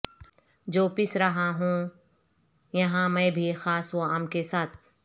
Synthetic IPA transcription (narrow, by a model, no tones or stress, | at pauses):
d͡ʒoːpɪsɾɐɦãɦũ | jɐɦãmɛ̃ːbʱixaːsoaːmkesaːt̪̚ʰ